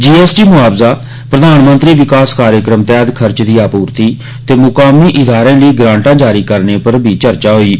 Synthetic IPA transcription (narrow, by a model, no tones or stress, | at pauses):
d͡ʒiːɛːsʈiːmʊaːbzaː | pɾəd̪aːnmə̃nt̪ɾiːʋɪkaːskaːɾjəkɾəmt̪ɛːd̪kʰəɾt͡ʃd̪iːaːpuːɾt̪iː | t̪eːmʊkaːmiːʔɪd̪aːɾẽːləiːɡɾãːɳʈãːd͡ʒaːɾiːkəɾneːpəɾbʱiːt͡ʃəɾt͡ʃaːɦoːiː